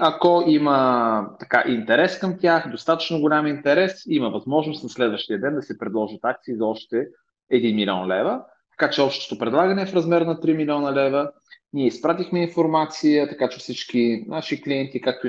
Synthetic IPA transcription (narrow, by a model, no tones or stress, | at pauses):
ɐkoimət̪ɐkaʔint̪ɛɾɛskəmt̪ʲaxd̪ost̪at̪ə̥t͡ʃnoɡʊlʲamint̪ɛɾɛsiməvɐzmɔʒnost̪nɐslɛd̪vəʃt̪ijəd̪ɛnd̪ɐsɛpɾɛd̪lˠɔʒət̪ak̚t̪siizɐɔʃt̪ɛː | d̪inmilʲiɔnlɛvə | t̪ɐ̥kat͡ʃɛɔpʃt̪o̥t̪opɾɛd̪lˠaɡənɛːfɾɐzmɛɾnɐt̪ɾimilʲiɔnəlɛvə | niɛispɾat̪ixmɛinfoɾmat̪sijət̪ɐkat͡ʃɛfsit͡ʃkinaʃikliɛnt̪ikak̚t̪o